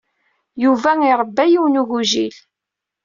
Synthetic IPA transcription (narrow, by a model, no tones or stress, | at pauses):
juvæiɾˤəbːæjiwnuɣuʒil